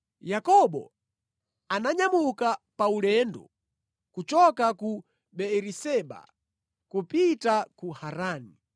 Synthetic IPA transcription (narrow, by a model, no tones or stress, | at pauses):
jakɔɓɔ̰ | anaɲamukapaulɛndɔ̰ | kut͡ʃɔkaku | ɓɛɾisɛɓa̰ | kupitakuhaɾaːni